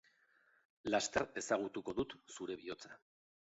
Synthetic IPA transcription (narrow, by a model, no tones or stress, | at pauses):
last̪eɾe̞saɣ̞ut̪uko̞ðut̪suɾe̞βio̞t͡sḁ